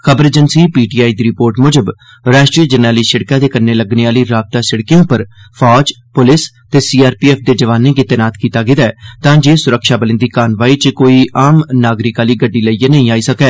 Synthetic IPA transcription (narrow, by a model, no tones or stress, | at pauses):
xəbəɾd͡ʒənsiːpiːʈiːaːiːd̪iːɾɪpoːɾʈmʊd͡ʒəb | ɾaːʃʈɾiːəd͡ʒəɾnaːliːsɪɽkãːd̪eːkəɾneːləɡneːaːliːɾaːb̚t̪aːsɪɽkijõːpəɾpʰɔːd͡ʒ | pʊlɪs | t̪eːsiːaːɾpiːɛːpd̪eːd͡ʒəʋaːnẽːɡɪːt̪ɛːnaːt̪kiːt̪aːɡɪd̪aːt̪ãːd͡ʒeːsʊɾəkʃaːbəlɪ̃nd̪iːkaːnʋaːiːt͡ʃkoːiːaːmnaːɡɾɪkaːliːɡəɖːiːləiːenəɦĩːaːiːsəkɛː